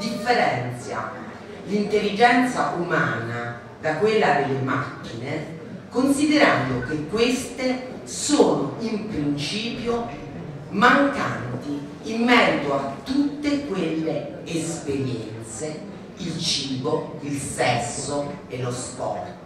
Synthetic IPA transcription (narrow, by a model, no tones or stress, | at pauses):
d̪ifːeɾɛnt̪sja̰ | lint̪elːid͡ʒɛnt̪saʔumaːna | d̪akwelːad̪elːemakːine | konsid̪eɾand̪okekːwest̪e | soːnoimpɾint͡ʃiːpjo | maŋkant̪i | imːɛɾit̪oat̪ːut̪ːekwelːeː | speɾjɛnt̪se | ilt͡ʃiːboilsɛsːoelospɔ̰rt̪